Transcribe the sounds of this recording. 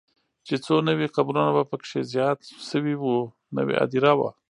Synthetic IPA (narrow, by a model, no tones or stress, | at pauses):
t͡ʃet͡sonəwiqabɾunabapəkʂezjɑt̪ʃəwiwu | nə̰wḛʔa̰d̪iɾawa̰